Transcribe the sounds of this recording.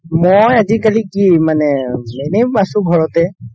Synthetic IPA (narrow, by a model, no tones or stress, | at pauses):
mojazikalikimanɛmɛnebasũɡʱɔɹɔt̪ɛ